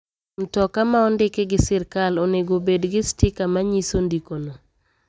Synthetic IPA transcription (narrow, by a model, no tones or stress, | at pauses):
n̩tɔkamaɔndɪkɛɡɪsɪrkaloneɡobedɡɪstɪkamaɲisondikona